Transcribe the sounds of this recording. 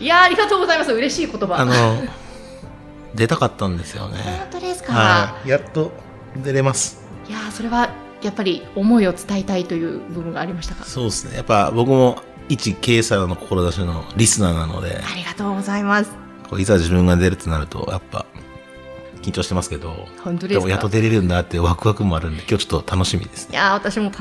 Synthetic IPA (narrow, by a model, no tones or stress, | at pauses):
jaːɾʲiɡat̪o̞ːɡo̞zaimasɨɯ̟ɾe̞ɕiːko̞t̪obaanno | d̪e̞t̪akat̪ːãnd̪e̞sɨjo̞̰ne̞̰t̪od̪e̞sɨ̥kaaɾajat̪ːo̞ | d̪e̞ɾe̞masɨ̥ | jaso̞ɾe̞βa | japːaɾʲio̞mo̞io̞t͡sɨ̥t̪ait̪ait̪o̞jɯ̟ːbɯ̟bɯ̟ŋɡaːɾʲimaɕi̥t̪aka̰so̞ːesɨne̞̰japːabo̞kɯ̟mo̞ | it͡ɕike̞ːsano̞ko̞ko̞ɾo̞d̪aɕinoɾʲisɨnaːnano̞̰d̪e̞̰aɾʲiɡat̪o̞ːɡo̞zaimasɨ̥ | kʰo̞̰ːizad͡ʑibɯ̟̃ŋɡad̪e̞ɾɯ̟t̪ːenaɾɯ̟t̪o̞̰japːa̰ | kʲĩɲ̟t͡ɕo̞ɕit̪e̞masɨ̥ke̞d̪o̞hõnt̪od̪emojat̪ːod̪e̞ɾe̞ɾɯ̟̃nd̪at̪ːeɯβakɯ̟βakɯ̟mo̞aɾɯ̟̃nd̪e̞kʲoːt͡ɕot̪ːot̪ʰano̞ɕimʲḭd̪e̞sɨ̥neaβat̪aɕimo̞